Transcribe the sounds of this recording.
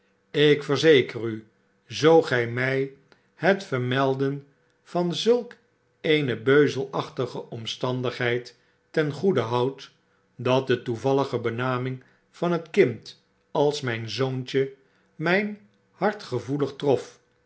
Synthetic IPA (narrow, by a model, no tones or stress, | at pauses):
ɪkfəɹzejkəry | zowχɛjmɛj | hətfəɹmɛlˠdən | v̥ɑnzɵlˠk | ejnəbøɥzəlˠɑχtəχəʔɔmstɑndəχɦɛjtː | ɛnχudəɦɑwt | dɑt̚dətuvɑləχəbənaːmɪŋ | v̥ɑnətkɪnt | ɑlˠsmɛjnzownt͡ʃə | mɛjn | hɑɹtχəvuləχtrɔf